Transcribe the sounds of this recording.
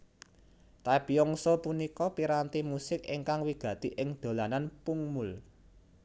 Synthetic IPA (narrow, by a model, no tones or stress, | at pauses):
t̪ab̥iɔŋsopunikɔpiɾant̪imusɪkḭŋkaŋwiɡ̥ä̤t̪i̤ʔɪŋd̪̥o̤lananpuŋmʊl